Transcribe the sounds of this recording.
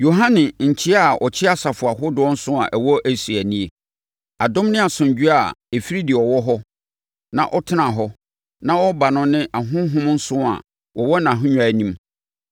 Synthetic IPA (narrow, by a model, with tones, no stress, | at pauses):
jo˨ɦã˦nɪ̃˨ɲ̩˨t͡ɕʰɪ˦a˨ɔ̰˨t͡ɕʰɪ˦a˦sa˨fʊ˨a˨ɦʊ˦dʊ˦ɔ˦n̩˦sʊ̃˦a̰˨ʔɛ˨wɔ˦ʔæ˦˨si˨æ˨nĩ˦e˨ | a˨dʊ̃˦mnɪ̃˦a˨sʊ̃˨ɲ˨d͡ʑᶣu˦a˨e˨fi˦ɾi˦dɪ˨ɔ˨wɔ˦ɦɔ˦ | nã˨ʔɔ˦tʰɪ˦nã˨ɦɔ˦ | nã˦wɔ˦ba˨nʊ̃˦nɪ̃˦ʔa˨ɦʊ̃˦ɦʊ̃˦mn̩˦sʊ̃˦a̰˨ | wʔɔ˨wɔ˦nã˨ɦʊ̃˦ɲᶣ˨a˨˦nĩ˦m